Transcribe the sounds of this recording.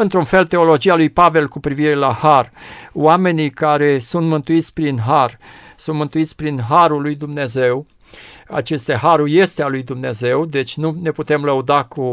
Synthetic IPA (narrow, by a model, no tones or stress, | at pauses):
ɨnt̪ɾunfe̞lt̪e̞o̞lo̞d͡ʒialujpave̞lkupɾiviɾe̞laharwame̞nikaɾe̞sunt̪mɨnt̪uit̪sʲpɾinɦar | sunt̪mɨnt̪uit̪sʲpɾinɦaɾulːujd̪umne̞ze̞w | a̰t͡ʃe̞st̪eɦaɾurje̞st̪ealujd̪umne̞ze̞wd̪e̞t͡ʃʲnune̞put̪e̞mləud̪aku